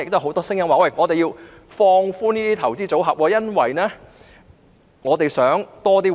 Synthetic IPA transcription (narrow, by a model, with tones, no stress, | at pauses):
ɪ˨k̚to˥˨ɦo˨˥wt̪ɔː˥sɪ˥ŋjɐ˥mwaː˨wɐ˥˩jŋɔː˨˧t̪e˨jiː˧w | fɔː˧ŋfuː˥niː˥t̪iː˥t̪ʰɐ˨˩wt͡siː˥t͡so˨˥wɦɐ˨p̚wɔː˧jɐ˥nwɐ̰˨jnɛː˥ | ŋɔː˨˧t̪e˨˩jsœː˨˥ŋt̪ɔː˥t̪iː˥